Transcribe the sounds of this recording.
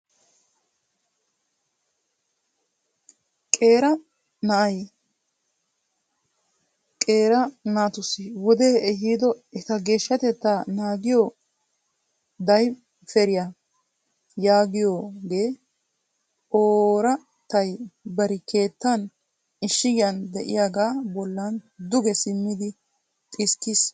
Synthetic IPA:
kʼe̞ːɾɐ | nɐʔɐj | kʼe̞ːɾɐnaːt̪ʊsɪwɔd̪eːɛɦiːd̪ɔɛt̪ɐɡe̞ːʃːɐt̪ɛt̪ːaːnaːɡɪjoː | d̪ɐj | fɛɾɪja | jaːɡɪjoːɡeː | ʔoːɾɐ | t̪ɐjbɐɾɪke̞ːt̪ːɐn | ɪʃːɪɡjɐnd̪ɛʔɪ̰jaːɡaːbɔlːɐnd̪ʊɡɛsɪmːɪd̪ɪ | t̪ʼɪskːɪs

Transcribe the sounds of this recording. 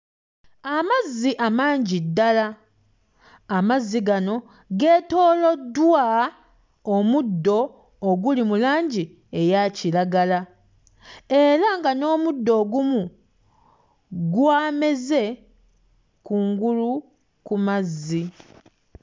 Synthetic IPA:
amazːiʔamaːɲɟidːala | mazːiɡano̞ | ɡe̞ːto̞ːlo̞dːwa | omudːo̞ː | ɡulimulaːɲɟi | e̞jacilaɡala | e̞ɾaŋɡano̞ːmudːo̞ːɡumu | ɡwaːme̞ze̞ | kuːŋɡulu | kumazːi

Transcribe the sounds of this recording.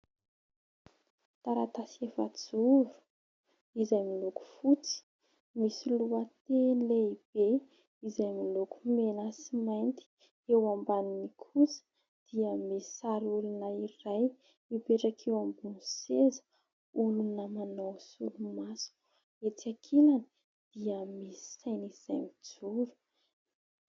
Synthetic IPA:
t̪aɾat̪asefa̰t͡suɾu̥ | izajmiloku̥fut͡si̥ | misiluat̪eleib̥e | izajmilokumenəsimajnt̪i̥ | ewambaninikʰusə̥ | d̪̥iəmesaɾulunəiɾaj | mipeʈ͡ʂakʰewambunsezə̥ | ulunəmanawsṵlumasu̥ | et͡sakʰelani | d̪̥iəmesi̥sajniz̥ajmid͡zuɾu̥

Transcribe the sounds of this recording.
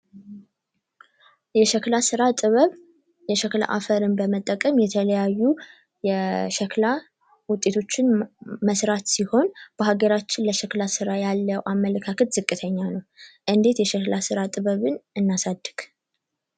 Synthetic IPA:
jɛʃɛklasɨɾat̪ʼɨβəβ | jɛʃəkla̰ʔa̰fəɾɨnbəmət̪ʼːəkʼəmjɛt̪ʰələjajːu | jɛʃəkla | wʊt̪ʼːe̞t̪ʰo̞t͡ʃːɪnməsɾat̪siho̞nb̥əɦaɡəɾat͡ʃːɪnləʃəklasɨɾajalːəwʔamːələkʰakʰət̪zɨkʼːɨt̪ʰəɲːanəwʔɨnd̪e̞t̪jɛʃəklasɨɾat̪ʼɨβəβɨnɨnːasad̪ːɨɡ̥

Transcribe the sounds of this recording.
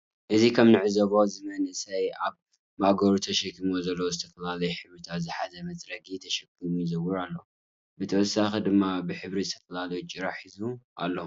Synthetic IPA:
ʔɨzikʰɐmnɨʕɨzɐβo̞zɨmɐnɨsɐjʔaβ | maɡɐɾut̪ʰɐʃɐkːimozɐlːowzɨt̪ʰɐfɐlalɐjħɨβɾit̪ʰat̪zɨħazɐmɐt͡sʼɾɐɡit̪ʰɐʃɐkːimujzɐwɨɾalːo | bɨt̪ʰɐwɔsːaxid̪ɨmːabɨħɨβɾizɨt̪ʰɐfɐlalɐjut͡ʃʼɨɾaħizuʔa̰lːo

